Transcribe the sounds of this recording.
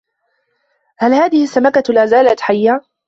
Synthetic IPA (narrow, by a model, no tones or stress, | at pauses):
halhaːðɪhɪsːamakalaːzaːlat̪ħajːaː